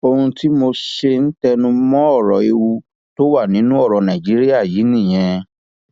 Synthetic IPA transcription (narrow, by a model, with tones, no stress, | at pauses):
o˧hũ˧ti˦mo˧ʃe˧n̩˦tɛ˧nũ˧mɔ̃˦ɔ˦˨ɾɔ̰˨e˧wu˧ | to˦wa˦˨nĩ˨˦nũ˦ɔ˦˨ɾɔ˨nã˨d͡ʒi˨˦ɾi˦a˦˨ji˨˦nĩ˦˨j̃ɛ̃˧